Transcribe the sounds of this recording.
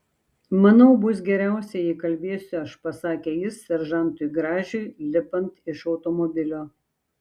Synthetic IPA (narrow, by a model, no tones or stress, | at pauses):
mɐnɐʊbʊs̬ɡʲɛɾʲæˑʊsʲɛjikɐlʲbʲeɛsʲʊɐʃpɐsɑːkʲeːjɪssʲɛɾʒɐnt̪ʊɪɡɾɑːʒʲʊɪlʲɪpɐnt̪ɪʃɒʊt̪ɔmɔbʲɪlʲoː